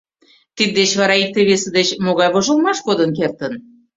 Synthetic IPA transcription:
t̪id̪̚d̪et͡ɕβɑɾɑik̚t̪eβesĕd̪et͡ɕmoɣɑjβoʒə̆lˠmɑʃkod̪ənk̬ert̪ən

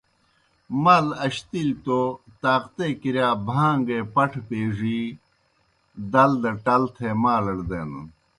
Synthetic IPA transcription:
mɐlɐɕt̪ilt̪ot̪aːqt̪ekiɾjaːbʱaːŋɡepɐʈʰpeːʐi | d̪ɐld̪ɐʈɐlt̪ʰemaːlɐɽd̪eːnṵ

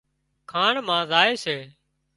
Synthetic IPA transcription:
kʰaːɳmãːzaːeːseː

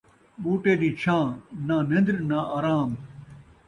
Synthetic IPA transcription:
ɓuːʈeːd̪iːt͡ɕʰãːnaːnɐ̃nd̪ɾnaʔaːɾaːm

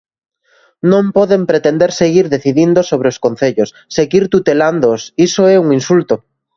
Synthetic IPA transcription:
nõmpɔðempɾet̪end̪eɾseɣiɾðeθiðind̪osoβ̞ɾeoskon̟θeʎosːeɣiɾt̪ut̪eland̪osisoɛuŋinsult̪o

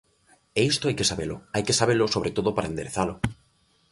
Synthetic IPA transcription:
eist̪oajkesaβelʊajkesaβelʊsoβɾet̪oðʊpaɾaend̪eɾeθalʊ

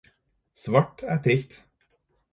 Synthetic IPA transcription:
sʋɑʈæːʈ̪ʰɾɪst̪

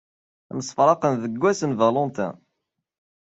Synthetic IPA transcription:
æməsˤfɾˤɑqənðəɡʷːæsənvɑlɔnt̪æ̰

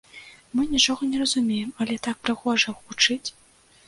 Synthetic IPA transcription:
mɨnʲit͡ʂɔɣɐnʲɛrɐzumʲejɛmɐlʲɛt̪ak̚pɾɨɣɔʐɐɣut͡ʂɨt͡sʲ

